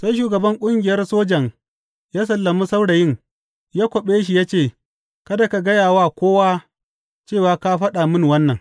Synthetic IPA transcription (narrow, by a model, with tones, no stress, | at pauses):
sa˦jʃ̬uː˨ɡɐ˨bɐ˦ŋkʷʼʊ˦ŋɡʲɪ˨jɐ˦rsoː˦d͡ʒɐ˨ŋ | jaː˦s̬ɐ˨lːɐ˨mu˦sa˦wɽa˨jɪ˦ŋ | jaː˦kʷɔ˨ɓeː˦ʃ̬i˨jaː˦t͡ʃeː˦˨ | kɐ˦da˨ka˨ɡɐ˦jaː˨waː˦kʷoː˦waː˦ | t͡ʃeː˦˨waː˨ka˦ɸɐ˦ɗa˨mɪ˦˨ŋwɐ˦nːɐ˨ŋ